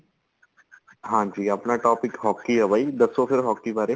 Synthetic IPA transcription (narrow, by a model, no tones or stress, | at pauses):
ɦãːd͡ʒiːapnaʈɔːpɪkɦɔːkːiɐʋəid̪ɐsofɪɾɦɔːkːibaːɾe